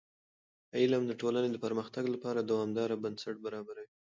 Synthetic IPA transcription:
ailamd̪əʈolaned̪əpaɾməxt̪aɡlapɑɾad̪awɑmd̪ɑɾabansaʈ̚baɾɑbaɾawi

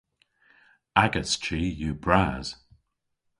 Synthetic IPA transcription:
aɡəst͡ʃiːjuːbɹaz̥

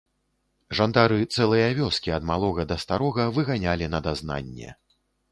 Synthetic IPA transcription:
ʐand̪aɾɨt̪sɛlˠɐjɐvʲɔskʲiɐd̪malˠɔɣɐd̪ɐst̪aɾɔɣɐvɨɣanʲalʲinɐd̪azna̰nʲːɛ̰

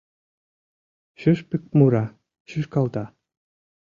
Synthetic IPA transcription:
ɕøʃpɘk̚muɾɑ | ɕyʃkɑlt̪ɑ

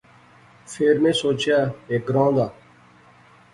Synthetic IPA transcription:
fʰeːɾmẽːsoːt͡ʃjaːeːk̚ɡɾãːnd̪aː

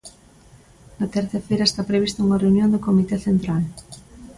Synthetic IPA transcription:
nat̪eɾθafejɾaest̪apɾeβ̞ist̪auŋareunjond̪okomit̪eθent̪ɾal

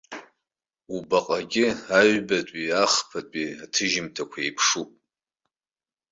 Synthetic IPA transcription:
ubaqʼaɡʲɪaɥbatʷʼiaχpʰatʷʼiatʰɨʒɪmtʰakʷʰaejpʰʂupʼ

